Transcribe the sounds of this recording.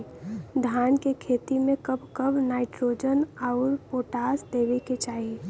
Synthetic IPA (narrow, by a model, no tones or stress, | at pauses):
d̪ʱaːnkekʰeːt̪imẽkəbʱkəbʱnaːɪʈɾoːd͡ʒənaʊɾpoːʈaːsd̪eːʋeket͡ʃaːɦi